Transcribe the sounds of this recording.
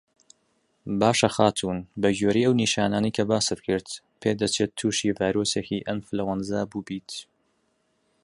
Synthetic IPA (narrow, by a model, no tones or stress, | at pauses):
baːʃɐxaːt̪ʰuːnbɐɡoːɾiːʔɐwniːʃaːnaːnɐjkʰɐbaːsɨt̪̚kʰɨɾt̪ | pʰeːd̪ɐt͡ʃʰeːt̪ʰːuːʃiːvaːjɾoːsekiːʔɐmflɐwɐnzabuːbiːt̪